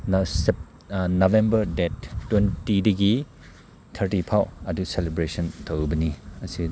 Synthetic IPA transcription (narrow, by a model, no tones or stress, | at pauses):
ns | nobembɐɾdɛtːwentidiɡi | tʰɐɾtipʰawɐduselebɾesɔntʰobɐniɐsi